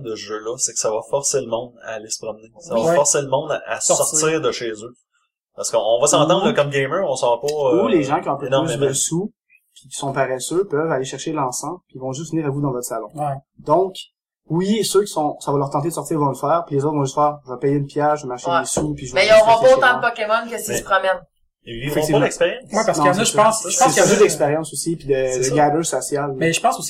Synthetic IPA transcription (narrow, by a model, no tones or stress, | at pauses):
d̪əʒølɔsɛkə̥savɔfɔʁseləmɔ̃d̪a̰ːlesə̥pʁɔmnesavafɔʁseləmɔ̃d̪aa̰ssɔt͡ssiːʁd̪əʃeːzø | pasə̥kɔ̃vɔsɑ̃ːt̪ɑ̃d̪ʁəkɔmɡʲemɜɔ̃sɑʁpɔuleʒɑ̃kʲiɔ̃ɛ̃pønysd̪əsu | pʰi̥kʲi̥sɔ̃paʁesøpœvaleʃɛʁʃelɑ̃sɑ̃bpivɔ̃ʒʏs̬vəniːʁavud̪ɑ̃vɔt̪χsalɔ̃wɛ | d̪ɔ̃k | wisøkʲi̥sɔ̃savɔlœʁt̪ɑ̃t̪̬ed̪əsɔʁt̪iːʁvɔ̃ləfɛːʁpilezoʊt̪vɔ̃ləfɛːʁʒəvapɛjeynpjɛʁʒəvamaʁʃeəsupiʒəvɛiɔ̃ʁɔ̃pɔot̪ɑ̃d̪əpɔkʲemɔnkʲəsity̥pχɔmɛn | fɛkt̪ivmɛkspeʁjɑ̃smwɛpaʁsnɔ̃ʒpɑ̃sʒə̥ɑ̃sjɛ̃pød̪ɛkspeʁjɑ̃sosipid̪əd̪əɡabøsɔsjalmɛʒəpɑ̃sosi̥